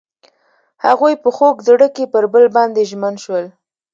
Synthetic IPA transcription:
haɣujpəxokd̪ɽəkepəɾbəlbɑnd̪eʒmənʃwəl

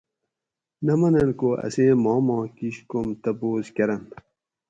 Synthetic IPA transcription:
nɐmɐnɐnkoʔɐ̰seːmɑːmɑ̃ːkiɕkomt̪ɐboːzkɐɾɐn

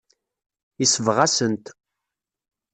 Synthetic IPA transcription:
isəvʁasənt̪

